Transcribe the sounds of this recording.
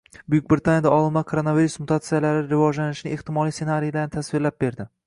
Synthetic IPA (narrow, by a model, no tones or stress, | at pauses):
bʊjʊk̚ʲbɾɪt̪ʰanjad̪aɒlˠɪlmakʰoɾonaviɾusmʊt̪ʰat̪sijalaɾɪɾɪvɒd͡ʒlanɪʃɪnɪeht̪ɪmɒlˠijse̞naɾijlaɾnɪt̪ʰasvɪɾlap̚be̞ɾd̪ɪ